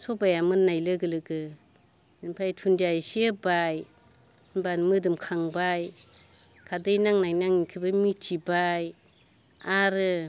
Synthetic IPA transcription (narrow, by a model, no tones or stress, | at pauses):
sɔbajamɯnːajlɯɡɯlɯɡɯ | pʰajtʰundiajsiebaj | banmɯdɯmkʰaŋbaj | kʰadɯjnaŋnajnaŋikʰɯbɯmitʰibaj | aɾɯ